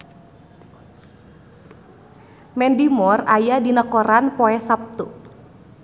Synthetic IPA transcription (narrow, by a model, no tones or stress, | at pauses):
mɛndimɔrajadinəkɔɾanpɔɛsap̚t̪u